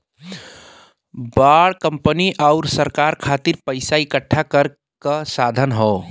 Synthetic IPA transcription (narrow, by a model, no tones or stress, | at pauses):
baɽkəmpəniʔaʊɾsəɾkaɾkʰat̪iɾpəɪsaikəʈʰːakəɾ | kəsad̪ʱənɦo